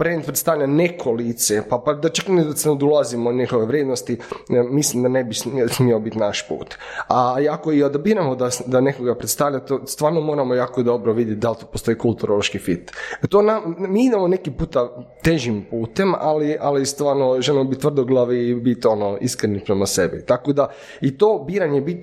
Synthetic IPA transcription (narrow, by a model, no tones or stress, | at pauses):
pɾend̪̚pɾet̪st̪aʋʎʲanekʰolit̪sepapad̪at͡ʃakned̪asenod̪ulˠazimonixoʋeʋɾjeːd̪nost̪imislimd̪anebissmiobit̪naʃpṵːt̪aiakoiod̪obiːɾamod̪asd̪anekoɡapɾet̪st̪aʋʎat̪ost̪ʋaːɾnomo̞ːɾamojaːkod̪o̞bɾoʋid̪jet̪̚ʲd̪alt̪opost̪o̞iːkulˠt̪uɾoloʃkifit̪t̪onamiid̪emone̞kipuːt̪at̪eʒimpuːt̪e̞malialist̪ʋaːɾnoʒelimobitt̪ʋrd̪oɡlˠaʋibit̪o̞noḭskɾenipɾemasebḭt̪akod̪a | it̪oːbiːɾaɲebit̪